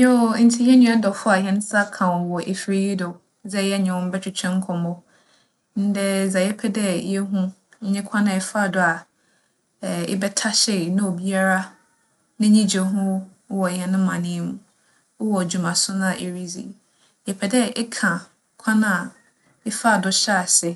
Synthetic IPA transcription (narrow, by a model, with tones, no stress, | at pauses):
jɔ˦˨n̩˦tʰi˨jɛ˦nũ˦a˦dɔ˨fʊ˦a˨ɦɛ̃˨ñ˦sa˦kʰã˨wɔ˨wɔ˨ʔe˨fi˦ɾi˦ji˦dɔ˨ | d͡zɛ˦jɛ˦ɲɛ̃˨wʊ̃˦m̩˦bɛ˦tʰᶣɪ˨t͡ɕʰᶣɛ̃˦ŋ̩˦kʰɔ̃˨mʊ˦ | n̩˦dɛ˦˨d͡za˨jɛ˦pʰɛ˦dɛ˦jɛ˦ɦũ˦ɲɛ̃˦kʷʰã˦nã˨ɪ˦fa˦˨dʊ˨a˨ | ɪ̰˦bɛ˦tʰa˦ɕɛ˨nã˦o˨bi˦a˦ɾa˦ | nɪ̃˦ɲĩ˦d͡ʑe˨ɦʊ̃˦ | wɔ˨hɛ̃˨nʊ̃˦mːã˨nɪ̃˦mũ˦ | wɔ˨d͡ʑu˨mã˨sʊ̃˦nã˦˨ʔe˨ɾi˦d͡zḭ˨ | jɛ˨pʰɛ˨dɛ˦ʔɪ˦kʰã˨ | kʷʰã˦nã˦˨ | ɪ˦fa˦˨dʊ˨ɕa˦˨sɛ˨